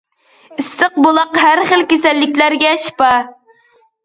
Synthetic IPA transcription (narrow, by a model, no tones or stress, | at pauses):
ɪsːɨq̚bolˠɑqɦæɾχəlkʲesɛlːɪkʲlæɾɡʲɛʃpɑ